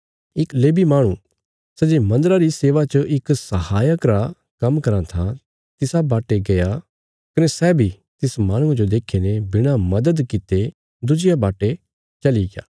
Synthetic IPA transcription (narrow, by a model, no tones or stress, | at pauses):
ɪkleːbimaːɽ̃ũ | sɛd͡ʒemɐ̃nd̪əɾaɾiseːʋat͡ʃəʔɪksɐhaːjəkɾa | kɐ̃mkɐɾãt̪ʰã | t̪ɪsabaːʈeɡɐja | kɐnesɛːbʱi | t̪ɪsmaːɽ̃ʊ̃ãd͡ʒod̪eːkʰenebɪɽ̃amɐd̪əd̪kɪt̪e | d̪ʊd͡ʒɪjabaːʈe | t͡ʃɐliɡeja̰ː